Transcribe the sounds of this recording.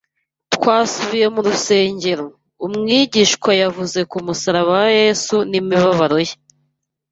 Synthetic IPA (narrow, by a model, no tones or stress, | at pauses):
tkwaːsuβije̞muɾuse̞ːɲɟe̞ɾo | umŋiːɟiːʃkwajavuze̞kumusaɾaβaje̞sunimiβaβaɾo̞je